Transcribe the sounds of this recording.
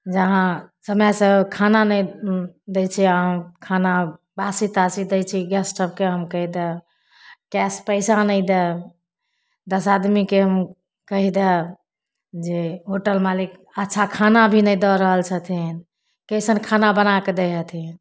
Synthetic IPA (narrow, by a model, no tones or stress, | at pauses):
d͡ʒəɦãsəməjsəkʰananəd̪et͡ʃʰiãkʰana | basit̪asid̪ɛt͡ʃʰiɡɛsʈəb̚keɦəmkəɦid̪ɛ | kɛspəsanəjd̪ɛ | d̪əsad̪mikeɦəm | kəɦid̪ɛ | d͡ʒeɦoʈəlmalik | ətːʃʰakʰanabʱinəjd̪ɔɾəɦəlt͡ʃʰət̪ʰin | kəjsənkʰanabənaked̪eɦət̪ʰin